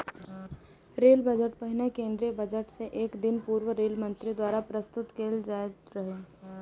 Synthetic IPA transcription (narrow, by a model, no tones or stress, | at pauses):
ɾeːlbəd͡ʒəʈpəɦɪnekẽːnd̪ɾiebəd͡ʒəʈseʔeːkd̪ɪnpuːɾwəɾeːlmə̃nt̪ɾid̪waːɾapɾəst̪ʊt̪keːld͡ʒaːet̪ɾəɦe